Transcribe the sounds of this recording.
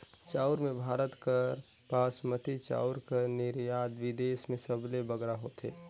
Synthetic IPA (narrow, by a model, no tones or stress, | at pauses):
t͡ʃaːɾmẽbʱaːɾət̪kəɾ | paːsmət̪it͡ʃa̰ːʊɾkəɾnɪɾjaːd̪ʋɪd̪eːsmẽsəblebəɡɾaɦoːt̪ʰḛː